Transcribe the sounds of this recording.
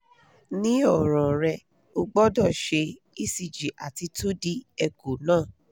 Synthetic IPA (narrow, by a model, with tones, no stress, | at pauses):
nĩ˦ɔ˦˨ɾ̃ɔ̃˨ɾɛ˧ | o˧ɡ͡bɔ˦dɔ˦˨ʃe˧ | i˦˨si˨d͡ʒi˨ʔa˨ti˧to˦di˦ɛ˧ɡo˨nãː˦˨